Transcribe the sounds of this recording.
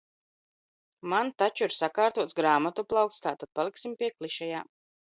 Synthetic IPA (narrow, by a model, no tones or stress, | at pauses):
mant̪at͡ʃuiɾsakaːɾt̪uɔt̪ɡɾaːmat̪uplˠawk̚t̪st̪aːt̪ad̪̥̚palˠiksimpʲiɛklˠiʃajaː